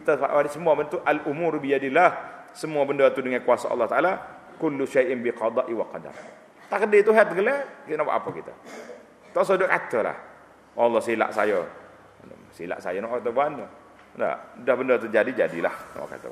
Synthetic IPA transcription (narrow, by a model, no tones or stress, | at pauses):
kit̪afa̰ʔadisəmuabənt̪uʔalʔumuɾbijadɪlːah | səmuabəndət̪udəŋankuasaʔɑ̰lːɑht̪aʔala | kʊlːuʃajʔɪnbiqɑd̪ˤɑʔiwaqɑda̰m | t̪aʔkədɪt̪uɦɛt̪̚ɡəlɛkinaba̰ʔa̰pakit̪a̰ | t̪os̬ɔdakat̪əla̰h | ɑlːɑhsila̰ʔsa̰jə̰ | sḭla̰ʔsa̰jənɔʔkat̪əbanə | na̰dahbəndət̪̬ud͡ʒadid͡ʒa̰dḭla̰hnɔ̰ʔʔka̰t̪ə̰